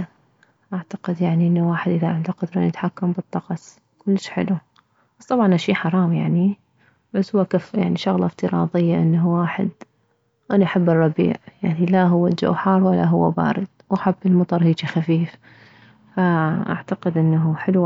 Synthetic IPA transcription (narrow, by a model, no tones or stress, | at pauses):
ʔaʕt̪aqɪd̪jaʕniʔɪnːuwaːħɪd̪ʔɪðaʔɪnd̪aqʊd̪ɾˤanɪt̪ħakːambɨt̪ˤːɑqɑsˤ | kʊlːɪʃħɪ̰lu | basˤt̪ˤɑbʕɑnʔaʃiːħɑɾˤɑːmjaʕni | ʕʊswakafja̰ʕniʃʊɣlɑft̪ɨɾˤɑ̰ːðˤɨjːaʔɪnːɦuwaːħɪ̰d̪̚ | ʔanaʔaħabːɨrˤːɑbḭːʕjaʕnilaɦʊwːad͡ʒa̰ħɑːɾˤwalːaɦʊwːaba̰ːɾɪd̪̚wʔaħabːɪlmɑt̪ˤɑɾˤhiːt͡ʃixafiːf | faʔa̰ʕt̪aqɪd̪ʔɪnːaɦuħɪlu